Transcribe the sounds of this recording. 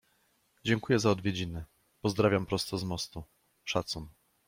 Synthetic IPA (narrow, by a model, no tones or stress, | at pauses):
d͡ʑɛŋkujɛzaɔd̪vʲjed͡ʑinɘ | pɔzd̪ɾavʲjampɾɔst̪ɔzmɔst̪u | ʂat̪sun